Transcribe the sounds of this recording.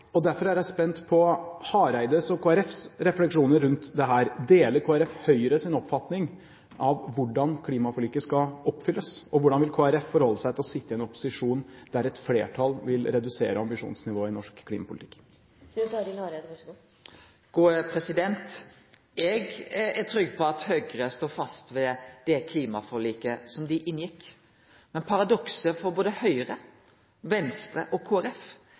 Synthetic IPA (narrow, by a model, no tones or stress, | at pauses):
ɔd̪æɾfɔɾæɾjæɪspɛnt̪pʰɔhɑːɾæɪd̪əsɔkʰoːæɾɛfsɾɛflɛkʂuːnəɾɾʉnt̪d̪ɛɦæːɾd̪eːləɾkʰoːæɾɛfhœʏɾəsɪnɔpfɑt̪nɪŋ | ʔɑʋʋʊɖɑnkʰliːmɑfɔlyːkːəskɑɔpːfʏlːəsɔʋʊɖɑnʋɪlkʰoːæɾɛffɔɾhɔlːəsæɪt̪ɪlɔsɪt̪ːəɛnɔpːʊ̥sɪʂuːnd̪æɾɛt̪flḛːʈʰɑlʋɪlɾɛd̪ʉsḛːɾəɑmbɪʂṵːnsnɪʋoːɪnɔʂkkʰːlḭmɑpʰʊlɪt̪ʰɪ̥kː | ʉt̪ɑɾɪnɑɾe | ɡ̥uːəpʰɾɛsɪd̪ɛnt̪ | ɛɡæʈʰɾʏɡːpʰɔɑt̪høɡɾəst̪oːfɑst̪ʋɛd̪̥ɛkʰliːmɑfɔɭiːkəsɔmd̪ɪʔɪnjɪkː | mɛnpʰɑɾɑd̪ɔksəfɔɾboːd̪əhœʏəɾə | ʋɛnst̪ɾə̰ʔɔkʰuːæɾɛf